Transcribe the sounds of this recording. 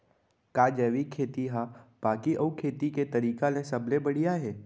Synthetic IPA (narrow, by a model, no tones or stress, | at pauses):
kaːd͡ʒɛːʋikʰːeːt̪iɦab̥aːkiʔɐukʰeːt̪iket̪ɐɾiːkalẽsɐblebəɽ̤ijaɦɛː